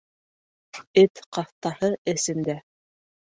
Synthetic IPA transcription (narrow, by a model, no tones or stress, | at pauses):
ɘt̪qɑθt̪ɑhɤɘ̆sɘ̆nd̪æ